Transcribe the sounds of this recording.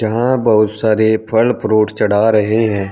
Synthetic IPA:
d͡ʒɐɦãbɐɦʊt̪saːɾepʰəlpɾoːʈt͡ʃəɽaːɾɐɦeɦɛ̃ː

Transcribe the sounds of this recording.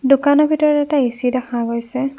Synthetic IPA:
dukanɔɹbʱitɔɹɔtɛtaesidaxaɡojsɛ

